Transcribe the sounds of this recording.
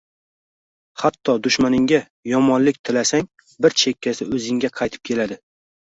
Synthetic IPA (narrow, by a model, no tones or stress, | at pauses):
hat̪ʰːɒd̪ʊʃmanɪŋɡʲa | jɒmɒnlɪk̚ʲt̪ʰɪlasaŋ | bɪɾt͡ʃʰekʲːasɪɵzɪŋɡʲaqʰɑjt̪ʰɪ̥p̚kʲʰe̞lad̪ɪ